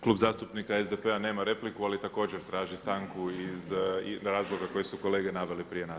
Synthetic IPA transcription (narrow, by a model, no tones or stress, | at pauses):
klˠuːbzaːst̪upnikaezd̪epe̞ane̞ːmaɾe̞plikualit̪ako̞ːd͡ʑeɾt̪ɾaːʒist̪aːŋkuizɾaːzlˠo̞ɡako̞jesuko̞le̞ːɡe̞naʋe̞lipɾije̞na